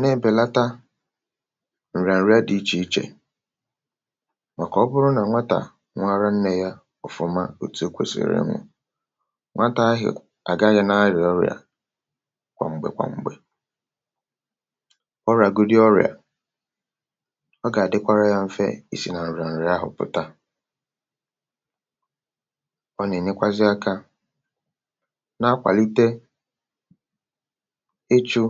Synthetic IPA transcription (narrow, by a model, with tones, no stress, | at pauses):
nẽ˦˨be˨la˦ta˦ | n̩˨ɾa˨n̩˨ɾi˦a˦di˦t͡ʃi˨i˦t͡ʃḛ˨ | ŋʷa˨kɔ˨ɔ˦bʊ˦ɾʊ˦nã˨˦ŋʷa˦ta̰˨ | ŋʷ˦a˦ɾa˦n̩˦ne˨ja˦ | ɔ˨fʊ˨ma̰˦o˨tu˨˦o˦kʷḛ˦sḛ˨ɾḛ˦ŋʷʊ̰˨ | ŋʷa˦ta˦ɦɪ̰˨ | a˨ɡa˦ɦɪ˨nã˦ɾɪ˨ɔ˦ɾɪ̰˨a̰˨ | kʷa̰˨ŋ͡m̩˨ɡ͡bḛ˨kʷa̰˨ŋ͡m̩˨ɡ͡be˨ | ɔ˦ɾa˨ɡu˦dɪ˦ɔ˦ɾj̰a̰˨ | ɔ˦ɡa˨a˨dɪ˦kʷa˦ɾa˦ja˦m̩˦fḛ˦i˦si˨na˨n̩˨ɾa˨n̩˨ɾɪ˨˦a˦ɦʊ̰˨pʊ̰˨ta˦ | ɔ˦ne˨ɲe˦kʷa˦zɪ˦a˦ka˦ | na˦kʷa̰˨li˦te˦ | e˦t͡ʃu˦